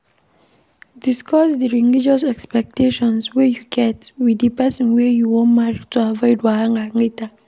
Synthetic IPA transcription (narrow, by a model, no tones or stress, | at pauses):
diskʰɔsdiɹiŋid͡ʒasɛkspɛk̚tʰeʃɔ̃nswɛjuɡɛtwidipɛsɔ̃nwɛjuwɔ̃nmaɹituavɔɪdwahãŋɡaŋɡita